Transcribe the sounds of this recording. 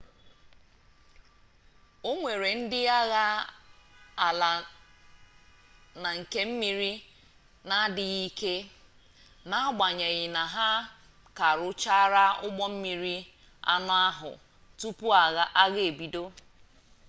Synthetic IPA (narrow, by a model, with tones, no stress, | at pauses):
o˦ŋʷe˨ɾe˨n̩˦dɪ˦a˦ɣa˦ | a˨la˨ | na˨ŋ̩˨ke˦m̩˦mi˨ɾi˦ | na˦dɪ˨ɣi˦ke˦ | na˦ɡ͡ba˨ɲe˨ɣɪ˨na˨ɦa˦ | ka˨ɾʊ˦t͡ʃa˦ɾa˦ʊ˦ɡ͡bɔ˦m̩˦mi˨ɾi˦ | a̰˦nʊ˦a˦ɦʊ̰˨ | tu˦pu˦a˨ɣa˦ʔa˦ɣe˨e˨bi˨do˦